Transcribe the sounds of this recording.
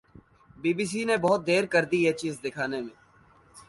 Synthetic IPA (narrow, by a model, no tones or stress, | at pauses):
biːbiːs̬inebɔɦʊt̪̚d̪eːɾkəɾd̪ieːt͡ʃiːzd̪ɪkʰaːnemẽː